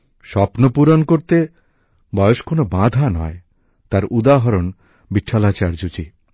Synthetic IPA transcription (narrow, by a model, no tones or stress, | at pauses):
ʃɔpnopuɾonkoɾt̪e | bɔjoʃkonobãd̪ʱanɔe | t̪aɾʔud̪aɦɔɾon | biʈʰːalat͡ɕaɾd͡ʑod͡ʑi